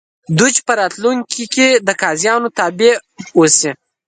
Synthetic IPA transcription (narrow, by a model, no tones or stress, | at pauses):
d̪ut͡ʃpəɾɑt̪luŋkʲʰiked̪əkɑzjɑnot̪ɑbeosi